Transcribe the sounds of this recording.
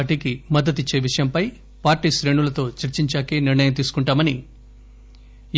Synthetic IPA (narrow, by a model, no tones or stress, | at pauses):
ʈiːkimɐd̪ːɐt̪it͡ʃːe̞ːʋiʂɐjɐmpɐj | paːɾʈiːʃɾe̞ːɳulɐt̪o̞ːt͡ʃɐɾt͡ʃiɲt͡ʃaːkeːniɾɳɐjɐmt̪iːsu̥kuɳʈaːmɐni